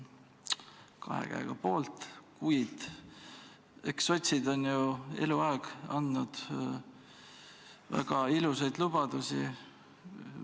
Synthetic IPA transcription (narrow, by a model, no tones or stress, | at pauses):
kɑ̰hḛkæ̰ḛɡ̥ɑpo̞ːlt̪ˑkujd̪̥ | ekso̞t̪ʲsid̪o̞njue̞̰luɑeɡ̥ɑnd̪nud̪̥ | væ̰ɡ̥ɑilusejd̪lub̥ɑd̪usi